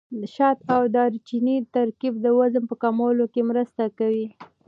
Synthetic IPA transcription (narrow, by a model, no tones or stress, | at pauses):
əʃɑt̪awd̪ɑɾt͡ʃinit̪aɾkifd̪əwazəmpəkamɑlokemɾəst̪akawi